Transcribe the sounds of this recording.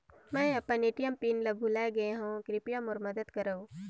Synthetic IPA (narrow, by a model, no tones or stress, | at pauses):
mɛ̃ːɐpːəneːʈijəmpiːnlɐbʱulaːeɡɐeɦũkɾɪpijəmɔːɾmɐd̪əd̪kɐɾəũ